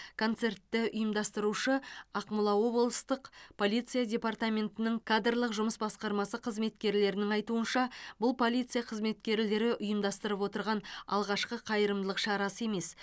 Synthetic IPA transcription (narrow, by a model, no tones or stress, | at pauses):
kʰo̞nt̪se̞rt̪ːɪʊjəmd̪ɑst̪əɾuʃəɑqmʊlˠɑwo̞bolˠst̪əqpʰo̞lʲijt̪sijadʲe̞part̪amʲe̞nt̪ɪnɪŋkʰad̪rlˠəqʒʊməsbɑsqɑɾmɑsəqʰəzme̞t̪kʲe̞ɾle̞ɾɪnɪŋɑjt̪uənʃɑbʊlˠpʰo̞lʲˠijt̪sɨjaqʰəzme̞t̪kʲe̞ɾle̞ɾɪʔʊjəmd̪ɑst̪əɾəpwo̞t̪əɾʁɑnɑ̰lˠʁɑʃqəqʰɑjəɾəmd̪lˠəqʃɑɾɑsəe̞me̞s